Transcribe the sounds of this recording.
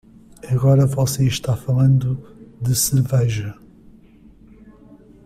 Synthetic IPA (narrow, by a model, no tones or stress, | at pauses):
ɐɣɔɾɐvɔseiʃt̪afɐlˠɐ̃nd̪ud̪ɨsɨɾvɛjʒɐ